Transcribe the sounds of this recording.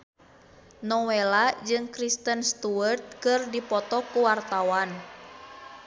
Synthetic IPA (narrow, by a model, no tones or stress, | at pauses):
nɔwɛlad͡ʒɨŋkɾist̪ənst̪uərt̪̚kɨrdipɔt̪ɔkuwart̪awan